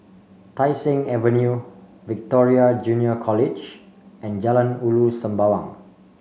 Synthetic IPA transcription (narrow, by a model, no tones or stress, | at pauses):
tajsĩŋɛvə̃nju | vik̚tɔɹiad͡ʒũniəkʰɔlid͡ʒ | ɛ̃nd͡ʒalə̃nulusə̃mbawãŋ